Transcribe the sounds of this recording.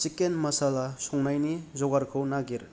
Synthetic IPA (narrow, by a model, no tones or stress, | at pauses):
t͡ʃikenmɐsalasɔŋnajnizɔɡaɾkʰɯwnaɡiɾ